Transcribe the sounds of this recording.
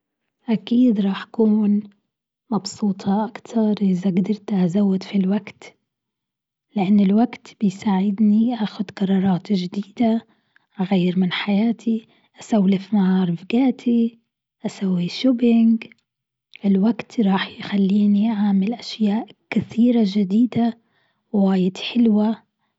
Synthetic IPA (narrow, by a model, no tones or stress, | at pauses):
ʔakiːd̪ɾˤɑːħʔakuːn | mɑbsuːt̪ˤʰɑʔakt̪ʰɑɾˤʔɪzaɡd̪ɑɾˤt̪ʔazawːɪd̪filwaɡt̪ | lɪʔanːɪlwaɡt̪b̥ɪjsaːʕɪd̪niʔaːxʊd̪qɑɾˤːɑːɾˤɑːt̪ʒd̪iːd̪a | ɣajːɾmɪnħajaːt̪ʰi | ʔasawːlɪfmaʕɑːɾˤɪfɡaːt̪ʰi | ʔasawːiʃobɪŋɡ | ʔɪlwaɡt̪ɾˤɑːħjxalːiːniʔaʕaːmɪlʔaʃjaːʔkɪθiːɾaʒɪd̪iːd̪a | waːjɪd̪ħɪlwa